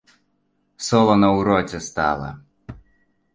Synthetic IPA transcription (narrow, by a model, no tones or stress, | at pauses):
sɔlˠɐnɐwɾɔt͡sʲɛst̪a̰lˠɐ̰